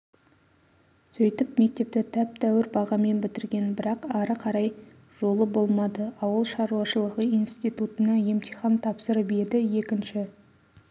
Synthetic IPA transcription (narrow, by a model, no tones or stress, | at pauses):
sɵjt̪ɪpme̞k̚t̪e̞p̚t̪ɪt̪ʰæp̚t̪ʰæwɪɾbɑʁɑme̞nbɪt̪ɪɾɡʲe̞nbɪɾɑqɑɾəqʰɑɾɑj | ʒ̥o̞lˠəbo̞lˠmɑd̪əɑwəlˠʃɑɾuɑʃəlˠəʁəinst̪ijt̪ut̪ənɑje̞mt̪ijχɑnt̪ʰɑpsəɾəbe̞d̪ɪje̞kʲɪnʃɪ